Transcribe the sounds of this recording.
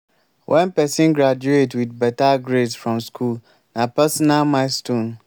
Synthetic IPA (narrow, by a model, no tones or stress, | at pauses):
wʔɛ̃npɛsĩnɡɾad͡ʒuetwidbɛtaɡɾedsfɹɔ̃mskʰul | nãpɛsɔnalmãɪstõn